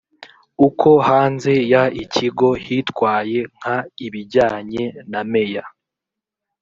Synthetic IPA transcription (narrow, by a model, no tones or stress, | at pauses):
ukʰo̞haːnze̞jaicʰiɡo̞hitwaːje̞ŋ̥haiβiɟaːɲe̞name̞ja